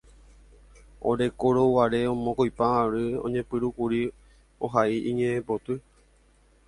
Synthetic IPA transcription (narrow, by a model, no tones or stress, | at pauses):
o̰ɾe̞koɾowaɾe̞õmõkojpãaɾɨõ̞̰ɲẽpɨɾukuɾi | o̰ɦaiʔĩɲẽẽpot̪ɨ